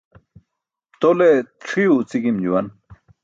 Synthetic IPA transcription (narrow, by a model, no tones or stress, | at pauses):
t̪oleʈ͡ʂʰiut͡siɡimd͡ʑuwɐn